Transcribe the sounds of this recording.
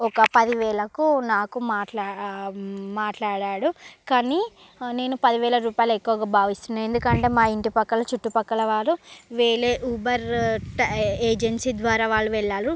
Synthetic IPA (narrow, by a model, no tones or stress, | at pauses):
ɔkɐpɐd̪iʋɛːɭɐkunaːkumaːʈa | maːʈlaːɽaːɽukaːni | neːnupɐd̪iʋɛːlɐɾuːpaːjɐlɐekːuʋɐɡaːbʱaːʋist̪und̪end̪ukɐɳʈe̞ːmaːiɳʈipɐkːɐlɐt͡ʃuʈːupɐkːɐlɐʋaːɾuʋeːɭeːʔubɐɾʈeːd͡ʒensiːd̪ʋaːɾaːʋaːɭːuʋɛɭːaːɾu